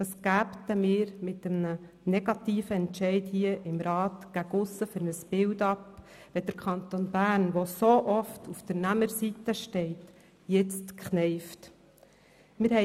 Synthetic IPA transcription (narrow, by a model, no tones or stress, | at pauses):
tɑsɡ̥æːptəmɪːɾmɪtəmnə | nɛɡ̥ɑtiːfəɛnʃɛɪthiəʔɪmɾɑːtɡ̥æɡʊsəfʏɾnəsbɪldɑp | ʋɛd̥əɾkʰχɑnt̪onbæːɾnʋosoʔɔftʰufd̥əɾnæməɾsitəʃtɛɪt | jɛt͡stkχnɛɪft | mɪɾhɛ